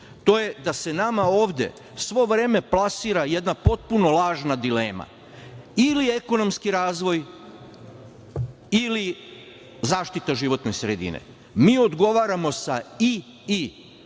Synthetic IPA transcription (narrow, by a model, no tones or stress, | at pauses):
t̪o̞ːje̞d̪ase̞namao̞ːʋd̪e̞̰ | sʋo̞ʋɾe̞ːme̞plˠasiːɾajed̪napo̞t̪̚puno̞laːʒnad̪ileːma̰ | ilie̞ko̞no̞mskiɾaːzʋo̞j | ili | zaːʃt̪it̪aʒiʋo̞t̪ne̞sɾed̪ḭnḛ | miːo̞d̪ɡo̞ʋaːɾamo̞sai | i